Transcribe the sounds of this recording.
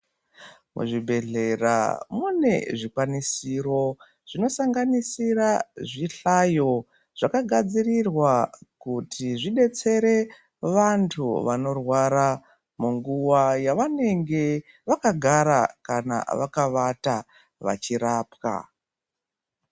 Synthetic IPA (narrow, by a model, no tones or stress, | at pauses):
mṵʐibʱe̞ɮe̞ra̰mune̞ʐikwanisiro̞ | ʐ̥ino̞saŋɡanisiraʐiɬajo̞ | ʐ̥akaɡʱad͡zirirwakutʰiʐiɗe̞t͡se̞ɾe̞ | ʋantʰuʋano̞rwaɾa | muŋɡuwajaʋane̞ŋɡe̞ | ʋakaɡʱaɾa̰kana̰ʋakaʋata | ʋa̰t͡ʃiɾaːpka̰